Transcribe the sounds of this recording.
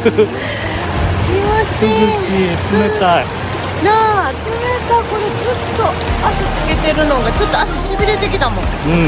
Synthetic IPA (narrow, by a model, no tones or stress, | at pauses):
kʲimat͡ɕizɯkit͡sɨmet̪ai | nat͡sɨmet̪ako̞no̞d͡zɨt̪ːo̞ | asɨt͡sɨke̞t̪e̞ɾɯ̟no̞ɡat͡ɕo̞t̪ːoasiɕibʲiɾe̞t̪e̞kʲit̪amõ | ɯ̟̃